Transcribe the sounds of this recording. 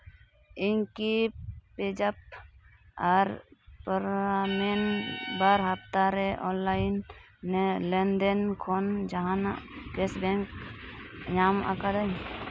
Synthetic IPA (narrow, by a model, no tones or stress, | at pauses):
inkiped͡ʒap̚ | aɾpəɾamenbaɾɦapt̪aɾeʔɔnlajnː | elɛnd̪enkʰond͡ʒaɦanakesbɛŋk | jama̰kad̪aɲ